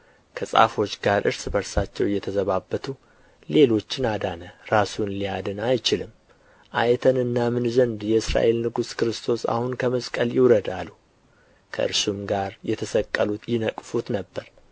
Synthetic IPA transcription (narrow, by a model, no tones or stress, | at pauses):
kʰəsʼa̰fo̞t͡ʃːɡaɾʔɨɾsbəɾsat͡ʃːɛwjːɛt̪ʰəzəβabːət̪ʰu | le̞lo̞t͡ʃːɪnad̪anəɾasunlijad̪ənajt͡ʃɪlɨm | ʔajɛt̪ʰənɨnːamɨnzənd̪jɛɨsɾa̰ʔe̞lnɨɡuskɨɾɨst̪ʰo̞sa̰hunkʰəməskʼəljɪwɾəd̪alːu | kʰə̰ʔɨ̰ɾsumɡaɾjɛt̪ʰəsəkʼːəlut̪jɪnəkʼfut̪nəbːəɾ